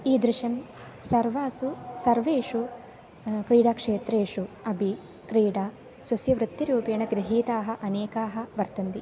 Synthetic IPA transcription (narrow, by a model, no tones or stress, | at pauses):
iːd̪ɾɪʃɐm | sɐɾʋaːsusɐɾʋeːʂu | kɾiːɽaːkʂeːt̪ɾeːʂuɐbʱi | kɾiːɽaː | sʋɐsjɐʋɾɪt̪ːiɾuːpjɐːɳɐɡɾiɦiːt̪aːɦɐ̆ʔɐneːkaːɦɐ̆ʋɐɾt̪ɐnd̪i